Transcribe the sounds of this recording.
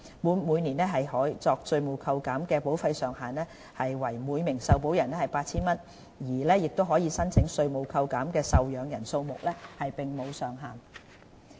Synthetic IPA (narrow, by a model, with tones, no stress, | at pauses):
muː˨˧nmuː˨˧jniː˨˩nɛː˥ɦɐ˨jhɔː˨˥jt͡sɔː˧k̚sɵ˧ɥmo˨˩wkʰɐ˧wkaː˨˥mkɛː˧po˨˥wfɐ˧jsœː˨˩ŋɦaː˨nlɛː˥ | hɐ˨jwɐ˨˩jmuː˨˧jmɪ˨˩ŋsɐ˨wpo˨˥wjɐ˨˩nlɛ˥hɐ˨jpaː˧t̚t͡sʰiː˥nmɐ˥n | jiː˨˩lɛː˥jɪ˨k̚t̪o˥wɦɔː˨˥jiː˨˧sɐ˥nt͡sʰɪ˨˥ŋsɵ˧ɥmo˨˩wkʰɐ˧wkaː˨˥mkɛː˧sɐ˨wjœː˨˧ŋjɐ˨˩nso˧wmʊ˨k̚lɛː˥hɐ˨jpɪ˨ŋmo˨˧wsœː˨ŋɦaː˨n